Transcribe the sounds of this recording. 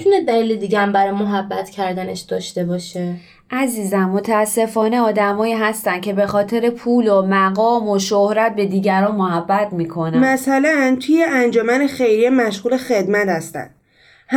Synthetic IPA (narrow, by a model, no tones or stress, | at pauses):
t̪ʰuned̪æliːled̪iːɟææmbæɾɒːjmoɦæbːæt̪cʰæɾd̪æne̞ʃd̪̥ɒːʃt̪e̞bɒːʃe̞ | ʔæziːzænmo̞t̪ʰæːsːe̞fɒːne̞ɒːd̪æmɒːjiːɦæst̪æn̥cʰe̞be̞xɒːt̪ʰe̞ɾe̞pʰuːlomæɣɒːmoʃohɾæt̪̚be̞d̪iːɟæɾɒːnmoɦæbːæt̪miːkʰo̞næmæsælænt̪ʰujeʔænd͡ʒomænexejɾiemæʃɣuːle̞xe̞d̪mæt̪hæst̪æ̰nd̪̥ | h